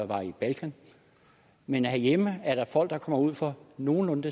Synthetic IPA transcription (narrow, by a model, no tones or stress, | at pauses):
ʋɑ̈ib̥ælkʰæn | menhæɐjeməæɐɾ̥ɑ̈fɒ̽l̰d̥d̥ɑ̈kʰɒ̽m̰ɐuð̰ˠfɒ̽no̝ːn̩ɔ̽nd̥ə